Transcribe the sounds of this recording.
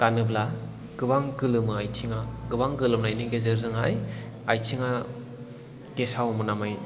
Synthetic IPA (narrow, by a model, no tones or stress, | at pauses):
kanɯbla | ɡ̥ɯbaŋɡɯlɯmɯajtʰiŋaɡɯbaŋɡɯlɯmnajnɯɡezɯɾzɯŋɦaj | ajtʰiŋa | kesawmɯnamaj